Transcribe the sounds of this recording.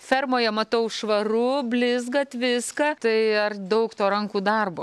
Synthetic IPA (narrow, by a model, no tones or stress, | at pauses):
fʲɛrmoːjɛmɐt̪ɐʊʃʋɐɾʊbʲlʲɪzɡɐt̪ʲʋʲɪskɐt̪ɐɪɐrd̪ɐʊkt̪oːɾɐŋkuːd̪ɐrboː